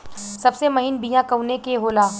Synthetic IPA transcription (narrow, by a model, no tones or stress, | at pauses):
sɐbsemɐɦinbijãkɐunekeɦoːlaː